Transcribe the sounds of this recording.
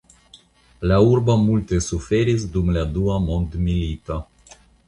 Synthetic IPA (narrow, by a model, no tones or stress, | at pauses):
laurbəmult̪esufeɾesd̪umlead̪uamond̪milit̪a